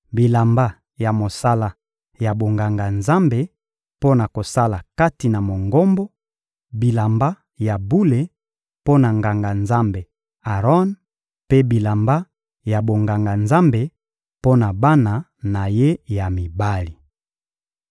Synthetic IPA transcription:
bi˨la˨mba˦ | ja˨mo˨sa˦la˨ | ja˨bo˨ŋɡa˨ŋɡa˨nza˦mbe˨ | po˦na˨ko˨sa˦la˨ka˦ti˨na˨mo˨ŋɡo˦mbo˦ | bi˨la˨mba˦ | ja˨bu˦le˨ | po˦na˨ŋɡa˨ŋɡa˨nza˦mbe˨ | a˨ʁɔ˦n | pe˦bi˨la˨mba˦ | ja˨bo˨ŋɡa˨ŋɡa˨nza˦mbe˨ | po˦na˨ba˦na˨ | na˨je˦ja˨mi˨ba˦li˨

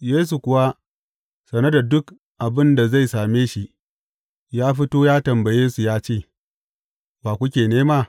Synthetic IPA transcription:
jeː˦s̬u˨kʷʊ˨wa˦ | sɐ˨nɐ˦da˨dʊ˦k | ʔa˨bɪ˦nda˨za˦˨jsaː˨meː˦ʃi˦ | jaː˦ɸi˦toː˦jaː˦tɐ˨mbɐ˨jeː˦su˨jaː˦t͡ʃeː˦˨ | baː˨kʷʊ˦kʲeː˨neː˦maː˦

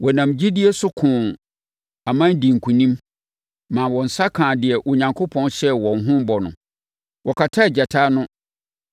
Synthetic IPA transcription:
wʔɔ˨nã˨md͡ʑi˦di˦e˦sʊ˦kʰʊ̃˨ | a˨mã˦n˦di˨ŋ̩˨kʰũ˨nĩ˦m | mã˨wɔ̃˨n̩˨sa˦kʰãː˨dɪ˨ɛ˨ʔʊ˨ɲã˨ŋkʰo˦pʰɔ̃˦nɕɛ˦wɔ̃˨n˨ɦʊ̃˦m˦bɔ˨nʊ̰̃˨ | wʔɔ˨kʰa˨tʰa˦ɛ˨d͡ʑa˨tʰaː˦nʊ̃˦

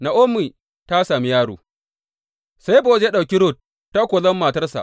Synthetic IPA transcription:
na˨ʔʊ˦mːiː˨ | ta˦saː˨mi˦jaː˦ɽṵː˨ | sa˦jboː˨zje˦ɗa˨kʲi˦ɾʊ˦˨tː | a˦kʷoː˨lɐ˦mːaː˨tɐ˦rsa̰˨ʔ

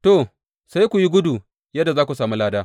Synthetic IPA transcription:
to˨ | sa˦jkʷu˨ji˦ɡʷʊ˦du˨ | jɐ˦dːa˨zaː˦kʷu˨saː˨mu˦laː˦daː˦

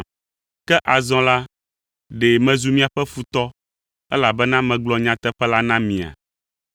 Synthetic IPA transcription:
kɛ˦ʔa˨zɔ̃˦la˦ | ɖe˨mɛ̃˨zu˨mĩ˦a˨ɸɛ˦fu˨t̪ɔ˦ | ɛ˦la˨bɛ˦nã˦mɛ̃˨ɡ͡blɔ˦ɲã˨˦t̪ɛ˦ɸɛ˦la˦nã˦mĩ˨a̰˨

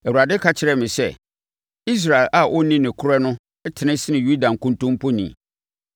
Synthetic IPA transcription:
ɛ˨wu˨a˨dɪ˦kʰa˦t͡ɕʰɪ˨ɾɛ˨mɪ̃˨sɛ̰˦˨ | i˦s̬ɾa˨ɪ˨lʔa˨wʔɔ˦nĩ˦nɪ̃˨kʰʊ˦ɾɛ˦nʊ̃˦ | ɛ˦tʰɪ˨nɪ̃˦sɪ˦nɪ̃˨ju˦dã˨ŋ̩˨kũ˦ntʰʊ̃˦m˦pʰɔ˦nḭ̃˨

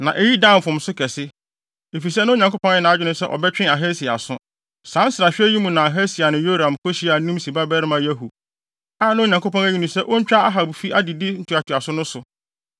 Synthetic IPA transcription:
nã˨ʔɛ˨ji˦dã˦˨m˨fʊ̃˨m̩˨˦sʊ˦kʰɛ˨sɪ˦ | e˨fi˨s̬ɛ˦nʊ̃˦ɲã˨ŋko˦pʰɔ̃˦n˦ɛ˦nã˨˦a˦d͡ʑᶣɪ˦nʊ̃˦sɛ˦ʔɔ̰˨bɛ˦t͡ɕᶣɪ̃˦a˨ɦɛ˦si˨a̰˨sʊ̃˦ | sã˨˦n̩˦sɪ˨ɾa˨ɕᶣɪ˦ɛ˦ji˦mũ˨nã˨a˨ɦɛ˦si˨a˨nɪ̃˨jo˦ɾã˨mkʰo˦ɕi˦a˨nũ˦msi˨ba˦bɛ˦ɾɪ˦mã˨jæ˦ɦu˨ | a˦˨nã˦˨ɲã˨ŋko˦pɔ̃˦næ˦i˦nʊ̃˨sɛ˦ʔo˦ɲ̩˦t͡ɕᶣa˦a˦ɦa˨bfi˦ʔa˦dɪ˨di˦n̩˦tʰu˨a˨tʰu˨a˨sʊ̃˦nʊ̃˦sʊ˨

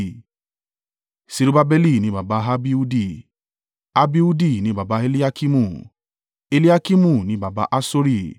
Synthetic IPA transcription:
si˧ɾu˦ba˦bɛ˦li˦˨nĩ˨˦ba˨ba˧˦ɦa˦bi˦u˦di˦˨ | a˦bi˦u˦di˦˨nĩ˨˦ba˨ba˧˦e˦li˦a˦ki˦mũ˦˨ | e˦˧li˦a˦ki˦mũ˦˨nĩ˨˦ba˨ba˧˦ʔa˦so˦ɾi˧˨

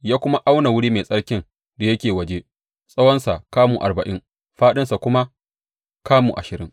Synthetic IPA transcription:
jaː˦kʷʊ˦ma˦ʔa˦wna˨wʊ˦ɽiː˦meː˨sʼɐ˦ɽkʲɪ˦n | da˨jɐ˦kʲeː˨wɐ˨d͡ʒe˦ | sʼɐ˦wɐ˦nsa˨kaː˦muː˨ʔa˨rbɐ˨ʔɪ˦ŋ | ɸaː˦ɗɪ˦nsa˨kʷʊ˦ma˦ | kaː˦muː˨ʔa̰˨ʃɪ˨ɾɪ˦ŋ

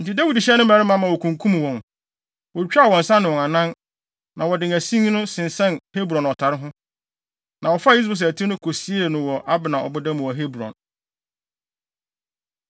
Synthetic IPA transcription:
n̩˨tɪ˨dæ˦wi˨di˨ɕɛ˦nʊ̃˦mæ̃˨ɾɪ˦mã˦mã˨wɔ˨kʰũ˨ŋkʰũ˦m˨wɔ̃˨n | wɔ˨t͡ɕᶣwɔ̃˨n̩˨sã˦nʊ̃˨wɔ̃˨ŋa˨nã˦n | nã˨wɔ˨dɪ̃˨ŋæ˨sĩ˦ŋ˦nʊ̃˦sɪ̃˨n˨sɛ̃˦nhe˦bɾɔ̃˨nɔ˨tʰa˨ɾɪ˦ɦʊ̃˦ | nã˨wɔ˨fa˦˨i˦s̬bɛ˨s̬æ˨tʰi˦nʊ̃˦kʰo˨si˦e˦˨nʊ̃˨wɔ˨ʔa˦bɪ˨nã˨ɔ̰˨bʊ˦dã˦m̃˨wɔ˨ɦe˦bɾɔ̰̃˨n

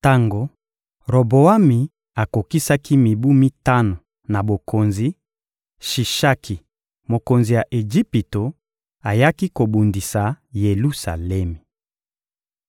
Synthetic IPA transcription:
ta˦ŋɡo˨ | ʁo˨bo˨a˦mi˨ | a˨ko˨ki˦sa˦ki˦mi˨bu˦mi˦ta˦no˨ | na˨bo˨kʰo˨nzi˦ | ʃi˨ʃa˦kʰi˨ | mo˨ko˨nzi˨ja˨ʔe˨d͡ʒi˦pi˨to˨ | a˨ja˦ki˦ko˨bu˨ndi˨sa˨ | je˨lu˦sa˨lɛ˦mi˨

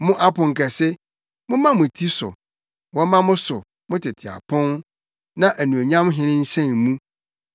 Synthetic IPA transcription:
mʊ̃˦ʔa˦pʊ̃˨ŋ̩˨kʰɛ˨sɪ˦ | mʊ̃˦mã˦mʊ̃˨tʰi˦sʊ̰˨ | wɔ˦mã˦mʊ̃˦sʊ˨ | mʊ̃˦tʰɪ˨tʰɪ˨a̰˨pʰʊ̃˦n | nã˦ʔæ˨nũ˨o˨ɲã˦mɦɪ̃˦nɪ̃˦ɲ̩˦ɕɛ̃˦˨nmũ˦

